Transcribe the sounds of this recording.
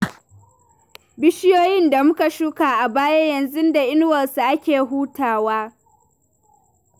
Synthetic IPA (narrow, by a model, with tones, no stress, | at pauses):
bɪ˦ʃɪ˦joː˦jɪ˦nda˨mʊ˦ka˨ʃuː˦ka˨ʔa˨baː˦ja˦jɐ˨nzʊ˦nda˨ʔɪ˦n˦wɐ˨lsu˨ʔa˦kʲeː˨ɦuː˦tʰaː˨waː˦